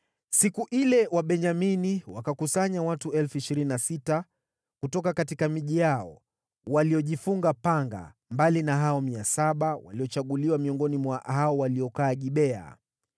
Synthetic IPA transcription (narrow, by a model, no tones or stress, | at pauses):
sikuʔilɛwaɓɛɲaminiwakakusaɲawatuɛlfuiʃiɾininasita | kutɔkakatikamiʄijaɔ̰ | waliɔʄifuŋɡapaŋɡa̰mbalinaɦaɔmiasaɓawa̰liɔt͡ʃaɠuliwamiɔŋɡɔnimwahaɔwaliɔkaːʄiɓɛa̰